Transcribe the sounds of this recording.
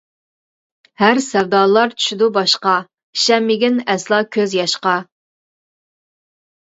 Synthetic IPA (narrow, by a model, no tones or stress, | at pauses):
hæɾsɛwd̪ɑːlˠɑɾt͡ʃʰy̥ʃid̪ubɑʃqɑ | ʃɛmːɪɡʲinɛslˠɑkʲʰøzjɑʃqɑ